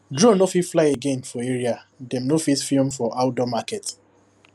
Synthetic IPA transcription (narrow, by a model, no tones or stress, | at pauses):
dɹõnofitflaɪeɡẽnfɔeɹiadɛ̃mnofitfilmfɔʔaʊdɔmakɛt